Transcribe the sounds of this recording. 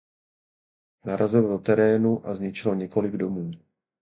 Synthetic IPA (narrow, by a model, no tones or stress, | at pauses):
naɾazɪldot̪ɛɾɛːnuʔazɲɪt͡ʃɪlo̞ɲɛko̞lɪɡdo̞muː